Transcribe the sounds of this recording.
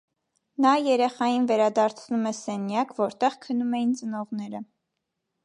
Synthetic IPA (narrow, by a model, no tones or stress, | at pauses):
nɑjɛɾɛχɑjinvɛɾɑd̪ɑɾt͡sʰnumɛsɛnjɑkvɔɾt̪ɛʁkʰənumɛjint͡sənɔʁnɛɾə